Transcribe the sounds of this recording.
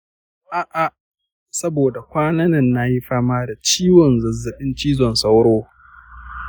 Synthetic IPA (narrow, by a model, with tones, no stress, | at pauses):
ʔaː˨ʔa˨ | sɐ˦boː˨da˨kʷaː˦nɐ˦nɐ˦˨nːa˦ji˦ɸaː˦maː˦da˨t͡ʃiː˦wɔ˨nzɐ˨zːɐ˨ɓɪ˦nt͡ʃiː˦zɔ˨nsa˦wɽoː˦